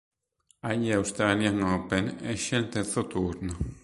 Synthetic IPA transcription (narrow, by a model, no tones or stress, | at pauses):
ajawst̪ɾaljaŋopeneʃent̪et͡sot̪uɾno